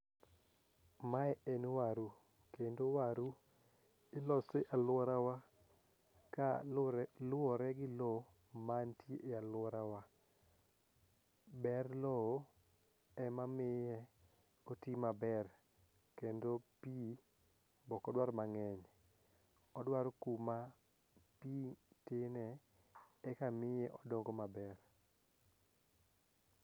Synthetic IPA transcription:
maɛɛnwaɾu | kendowaɾu | ɪlɔseʔalwɔɾawa | ka | lʊɔɾɛɡɪlɔ | mantjeʔealwɔɾawa | bɛrlɔ | ɛmamɪjɛ | kotimabɛr | kendopi | bɔkɔdwaɾmaŋɛɲ | ɔdwaɾkuma | pitɪnɛ | ɛkamɪjɛʔɔdoŋɡomabɛr

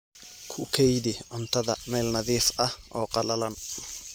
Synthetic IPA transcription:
kʰʊkʰɛjd̪ɪʕʊnt̪ʰɐðɐmɛːlnɐðiːfʔɐhʔɔːqʼɑlɐlɐn

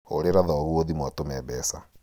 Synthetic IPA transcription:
oɾeɾaðɔːɣwoðimwatomɛβɛsa

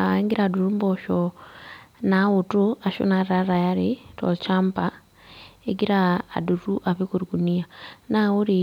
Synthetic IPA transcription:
eŋɡiɾaduɾumboʃo | nawutuaʃṵnaɾɾaɾajaɾito̰lt͡ʃaːmpa | eɡiɾa̰ːduɾuʔaβikuɾikunijanawuɾi

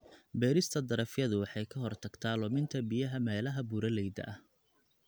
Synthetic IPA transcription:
bɛːɾɪst̪ʰɐd̪ɐɾɐfjɐðʊwɑħɑjkʰɐɦɔrt̪ʰɐɡ̥t̪ʰaːlɔmɪnt̪ʰɐbijɐɦɐmɛːlɐɦɐbuːɾɐlɛjd̪ɐ̰ʔɐh

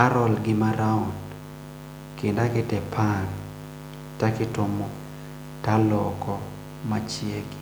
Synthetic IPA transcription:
aɾɔlɡɪmaɾaɔn | kɪndakɪtɛpʰaŋ | takɪtomɔ | talɔkɔ | mat͡ʃjeɡ

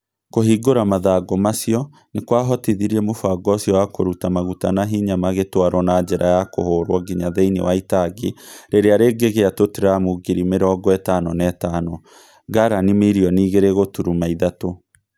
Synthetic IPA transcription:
koɦiɡoɾamaðaːɡɔmasiɔ | nekwaɦɔteðiɾiɛmofaɡɔsjɔwakoɾutamaɣutanaɦiɲamaɣetwaɾwɔnad͡ʒɛɾʔajako̰hoːɾwɔɡiɲaðeinḛwaitaɡeɾeɾeaɾeɡeɣeatoteɾamuɡiɾimeɾɔɡɔɛtanɔnɛtanɔ | ɡaɾanimiɾiɔniːɣeɾeɣotuɾumaiðato

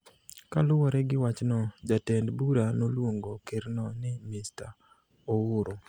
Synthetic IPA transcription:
kalʊwɔɾɛɡɪwat͡ʃnɔd͡ʒatɛndbuɾanolwoŋɡokeɾnɔnɪmɪsta̰ | owʊɾo

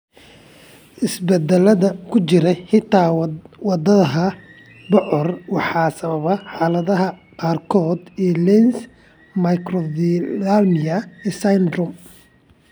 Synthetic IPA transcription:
ʔɪsbɛd̪ɛlɐðɐkʰʊt͡ʃɪɾɛhɪt̪ʰaːwɑd̪ɐðɐɦɐ | bɔʔɔrwɑħɑːsɐβɐβɐħɑːlɐðɐɦɐqɑːrkʰɔːd̪ɛːlɛns | mɐjkʰrɔðalmɪɐɛːsand̪rɔm

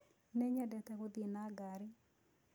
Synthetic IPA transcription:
nɛɲadɛt̪ɛkod̪inaɡaɾɪ

